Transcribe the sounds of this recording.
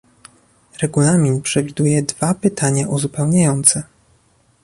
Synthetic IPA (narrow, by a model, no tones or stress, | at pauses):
ɾɛɡulamʲinpʂɛvʲid̪ujɛd̪vapɘt̪ʰaɲaʔuzupɛwɲajɔnt̪sɛ